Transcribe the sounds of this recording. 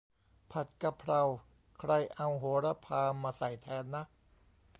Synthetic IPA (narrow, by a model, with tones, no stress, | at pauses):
pʰa˨˩t̪̚ka˧pʰɾa˧w | kʰɾa˧jʔa˧wɦoː˩˦ɾa˦˧˥pʰaː˧maː˧sa˨˩jt̪ʰɛː˩˦nːa˦˥ʔ